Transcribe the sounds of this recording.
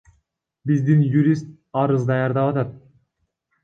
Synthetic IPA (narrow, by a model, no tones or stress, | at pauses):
bizd̪injuɾʲist̪̚ | ɑɾɯzd̪ɑjɑɾd̪ɑpɑt̪ɑt̪̚